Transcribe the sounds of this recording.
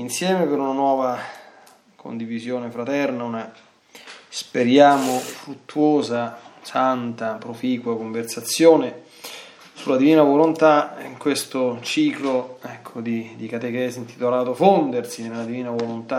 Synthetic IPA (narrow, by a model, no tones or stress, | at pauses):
insjɛːmepeɾunanwɔːva | kʰo̰nd̪ivizjoːnefɾat̪ɛrnauna | speɾjaːmofɾut̪ːuoːzasant̪apɾofiːkwakoɱversat̪sːjoːne | sulad̪iviːnavolont̪aiŋkwest̪ot͡ʃiːkloɛkʰːod̪id̪ikat̪ek̟ɛːzint̪i̥t̪olaːt̪ofond̪ersinelad̪iviːnavolont̪a